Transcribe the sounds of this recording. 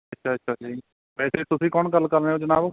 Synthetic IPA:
ətːʃʰaːətːʃʰaːd͡ʒai | ʋɛːseːt̪ʊsĩːkɔːnɡəlːkəɾneːoːd͡ʒənaːb

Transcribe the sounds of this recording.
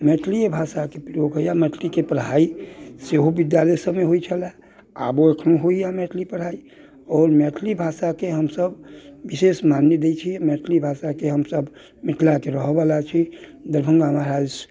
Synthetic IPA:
mɛːʈʰliebʱaːsakepɾijokɦəijamɛːʈʰlikepɾəɦaːiseɦobɪd̪jalɛsəmeɦoit͡ʃʰəlɛ | a̰boekʰnuɦoijamɛʈʰlipəɾɦaːi | ɔːɾmɛːʈʰlibʱaːsakeɦəmsəbʋɪʃesmanːjed̪et͡ʃʰimɛːʈʰlibʱaːsakeɦəmsəb | mɪʈʰlakeɾəɦbalat͡ʃʰid̪əɾbʱə̃ŋɡaɦmaɾaːd͡ʒ

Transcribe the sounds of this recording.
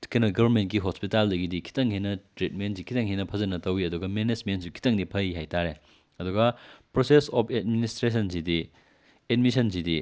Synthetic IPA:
kɐnɐɡɐbʱɐɾmentkiɦospitaldɐɡidikʰi̥tɐŋhinɐtɾit̚mentsikʰitɐŋɦhinɐpʰɐzɐnɐtɐwiɐduɡɐmenezmentsukʰi̥tɐŋdipʰɐjiɦajtaɾe | ɐduɡɐpɾosesɔpʰed̚ministɾes̬ɐns̬idi | edmisɐnsidi

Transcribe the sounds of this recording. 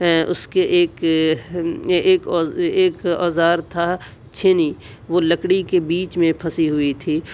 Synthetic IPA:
ʊskeʔeːk | kːeːkɔ̰ːzaːɾt̪ʰa | t͡ʃʰeni | ʋoːləkɽikebiːt͡ʃmẽpʰɐsiɦʊit̪ʰiː

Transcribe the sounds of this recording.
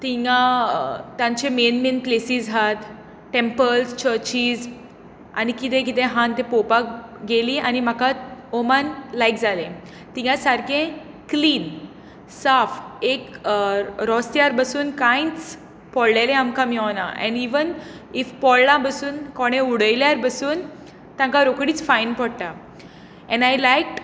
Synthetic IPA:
t̪iŋɡã | t̪jãɲt͡ɕemenmenplesizɦat̪ | ʈːempəlst͡ɕəɾt͡ɕiːz | a̰nikit̪̬ẽk̬it̪ẽɦãnt̪epopakɡeliʔañim̤akat̪omanlajkd͡zʱalẽ | t̪ĩŋɡãsaɾkʰẽ | kliːn | safek | ɾɔst̪jaɾbəsuːnkãjit͡s | pɔllelẽamkamiɔna̰ʔɛ̰̃ɳɖiʋən | ifpɔllãbəsuːnkɔɽ̃euɽəjljaɾbəsuːn | t̪ãŋkaɾokɽiːt͡sfajnpɔɽʈa | ɛ̃najlajkʈ

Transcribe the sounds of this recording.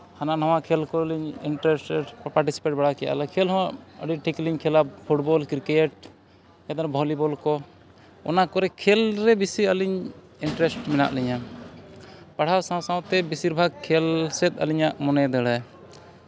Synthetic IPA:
hananɔw̃akʰɛlkɔliɲiɳʈɾɛsʈɛʈpaɾʈisi̥peʈ̚baɽakɛja̰lakʰɛlɦɔ̃waʔə̰ɖiʈʰikliɲkʰɛlapʰuʈbɔlkiɾkɛʈ̚ | jat̪ɔɾɛbʱɔlibɔlkɔ | ɔ̰nakɔɾɛkʰɛlɾɛbisiəliɲ | iɳʈɾɛsʈmɛna̰ʔliɲa | paɽ̤awsãw̃sãw̃t̪ɛbisiɾbʱaɡ̚kʰːɛlsɛt̪̚ˀə̰liɲaʔmɔnɛd̪ɛɽɛj

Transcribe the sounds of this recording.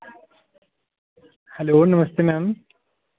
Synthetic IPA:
hɐloːnɐmɐst̪enam

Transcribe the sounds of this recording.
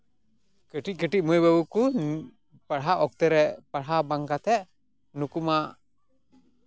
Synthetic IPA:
kəʈic̚ˀkəʈic̚mujbəbuku | paɽɦaʔɔk̚t̪ɛɾɛpaɽɦabaŋkat̪ʰɛʔ | nukumaʔ

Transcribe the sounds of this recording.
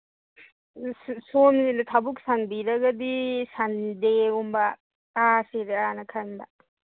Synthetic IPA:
soninɐt̪ʰɐbuksɐnbiɾɐɡɐd̪isɐnd̪eumbɐ | kasiɾɯaːnɐkʰɐnd̪a

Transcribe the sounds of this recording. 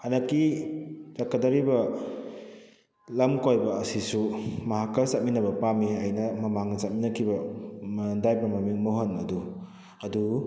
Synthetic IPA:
hanɐkːi | ɾakːɐdɐɾibɐ | lɐmkojbɐːsisumɐɦakːɐsat̚minɐbɐpamiɐjnɐmɐmaŋnɐsat̚minɐkʰibɐmndajbɾamamiŋmoɦonɐdu | ɐdu

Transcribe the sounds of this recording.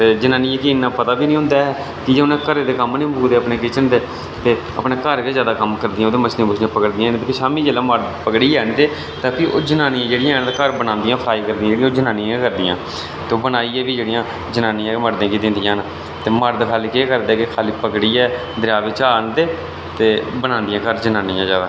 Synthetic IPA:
t̪eːd͡ʒənaːniːɛːkɪɪnːãːpət̪aːbiːnĩːɦʊ̃nd̪aːɛː | kɪd͡ʒeːʊnẽːkəɾeːd̪eːkəmnĩːmʊːkd̪eːəpneːkɪt͡ʃənd̪eː | t̪eː | ə̰pɳeːkəɾkeːzjaːd̪aːkəmkəɾd̪iːãoːd̪eːmət͡ʃʰnẽːbʊt͡ʃʰnẽːpəkəɽd̪ɪijãːt̪eːpʰisaːmĩːd͡ʒeːlãːməɾd̪pəkɽiːɛːnd̪eː | t̪ãːpʰiːo̰ːd͡ʒənaːnijãːd͡ʒeːɽɪjãːɛt̪akəɾbənãːnd̪ijãːpʰɾaːiːkəɾd̪ijãd͡ʒeːɽĩaːd͡ʒənaːnĩãkəɾd̪ijã̰ː | t̪eːoːbənaːiːɛːbiːd͡ʒeːɽijãː | d͡ʒənãːniãːməɾd̪ẽːkiːd̪ɪnd̪ɪjãːna | t̪eːməɾd̪kʰaːliːkeːkəɾd̪ɛːkɪkʰaːliːpəkɽiːɛː | d̪ɾaːʋɪt͡ʃaːənd̪eː | t̪eːbənãːnd̪ɪjãːkəɾd͡ʒənãːnijãːzaːd̪aː

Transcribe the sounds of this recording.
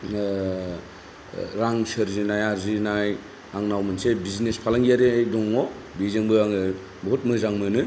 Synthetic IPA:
ɾaŋsɯɾzinajaɾzinaj | aŋnawmɯnsebiznespʰalaŋɡiaɾejdɔŋɔ | bizɯŋbɯaŋ | bɦɔt̚mɯzaŋmɯnɯ

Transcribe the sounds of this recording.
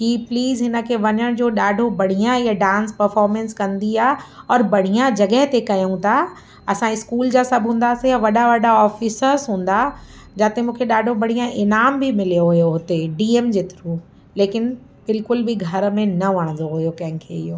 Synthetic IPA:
kipliːzɦɪnə̆kʰeʋɐɲəɽ̃d͡ʑoːɗaːɖʱobɐɽ̤ijãiaɖãːnspɐɾfɔːɾmɛ̃nskɐ̃nd̪iaːɦɔːɾbɐɽ̤ijãd͡ʑɐɠəɦɪt̪ekɐjũt̪ʰa | ɐsãɪskuːld͡ʑaːsɐbʱɦũːn̆d̪aːsijaʋɐɗaʋɐɖaɔːfɪsəɾzɦũːn̆d̪a | d͡ʑaːt̪emũːkʰeɗaːɖʱobɐɽ̤ijãʔɪnaːmbʱimɪlijoɦʊjoɦʊt̪eɖiːeːmd͡ʑeːt̪ɪɾũ | leːkɪn | bɪlkʊlbʱiɡʱɐɾmẽnɐʋɐɽ̃nd̪oɦʊjokɐ̃ɦɪ̃kʰeɪjoː

